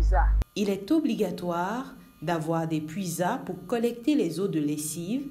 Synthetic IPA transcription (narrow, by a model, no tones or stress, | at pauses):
zailɛt̪ɔbliɡat̪waʁ | d̪avwaʁd̪epɥizapuʁkɔlɛkt̪elezod̪əlesiv